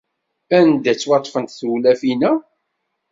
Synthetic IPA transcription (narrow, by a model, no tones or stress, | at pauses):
ænd̪æt͡sːwɑt̪ˤːfənt̪θulæfinæ